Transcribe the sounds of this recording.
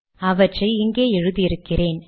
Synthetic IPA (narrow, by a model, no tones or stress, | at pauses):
ɐʋɐʈrɐɪɪŋɡeːɛɻɯðiɪɾɯkːɪreːn